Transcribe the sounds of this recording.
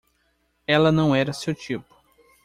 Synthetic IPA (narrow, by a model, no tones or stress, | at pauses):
ɛlɐnɐ̃w̃ɛɾɐsewt͡ʃipʊ̥